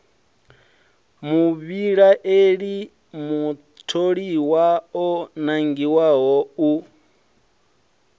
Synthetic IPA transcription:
muβiɺaʔeɺi | mu | tʰoɺiwaɔnaŋɡiwaɦɔu

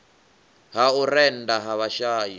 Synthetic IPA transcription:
ɦauɾɛndaɦaβaʃaːji

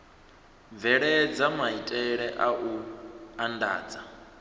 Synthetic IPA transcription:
vɛɺɛd͡zamaitʼɛɺɛʔaʔuanda̰ːd͡za

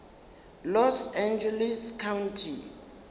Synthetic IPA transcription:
lɔsãnd͡ʒɛliskʰawntʰi

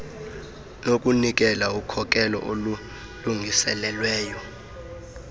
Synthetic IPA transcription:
nok̬ʼunik̬ɛlaukʰɔk̬ʼɛlɔ̰ʔolu | luŋʱisɛlɛlwɛːjɔ

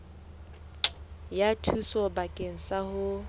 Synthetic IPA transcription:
jatʰusɔbakʼeŋ̩sahʊ

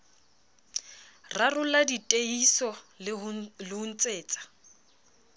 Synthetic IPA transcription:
rarʊladitʼeisɔ | lɪʊn̩t͡sʼeːt͡sʼḁ

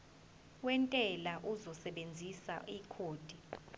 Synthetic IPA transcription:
wɛntʼɛlaʔuzɔsɛɓend͡zʱisa̰ʔikʰoːd̥ʱi

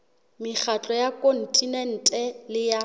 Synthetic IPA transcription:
mɪχʰat͡ɬʼɔjakʼon̩tʼinɛn̩tʼɛlɪja

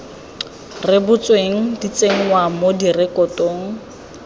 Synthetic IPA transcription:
rɪbʊt͡sweŋ̩dit͡sʼeŋ̩wamodirɪkʼɔtʼoːŋ̩

